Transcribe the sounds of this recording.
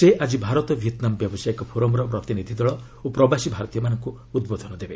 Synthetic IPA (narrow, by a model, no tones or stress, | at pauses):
seʔad͡ʒibʱaɾɔt̪ɔbʱjet̪nambjɔbɔsajɔkɔpʰoɾɔmɾɔpɾɔt̪inid̪ʱid̪ɔɭɔ | opɾɔbasibʱaɾɔt̪ijɔmanɔŋkuːd̪bod̪ʱɔnɔd̪ebe